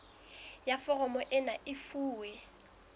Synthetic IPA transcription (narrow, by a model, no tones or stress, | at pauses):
jafɔɣɔmɔʔɪnaʔɪfuːwɛ